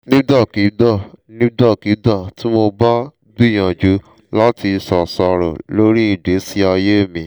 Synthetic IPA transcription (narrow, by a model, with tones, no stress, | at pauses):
nĩ˦da˦˨ki˨˦dɔ˦˨nĩ˦dɔ˦˨ki˨˦da˦˨ti˦mo˧ba˦ | du˦˨j̃ã˨d͡ʒu˨˦ | la˦ti˧sɔ˨sɔ˧ɾɔ̰˨lo˦ɾi˦i˦˨de˨˦si˦a˧je˦˨mĩ˨˦